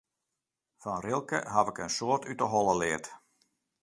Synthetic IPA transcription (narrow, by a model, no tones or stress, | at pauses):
fɔnrɪlˠkə̰ɦaʋɪkənsoːrtytəɦɔlˠəlɪːt